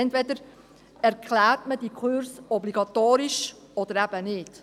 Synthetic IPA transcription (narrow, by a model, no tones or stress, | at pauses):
ɛntvʋɛd̪əɾ | ɛɾkʰlæːɾtməd̥ikʰʊɾsɔbliɡ̥ɑt̪oːɾiʃ | ɔd̥̪əɾæb̥ənɪːd̥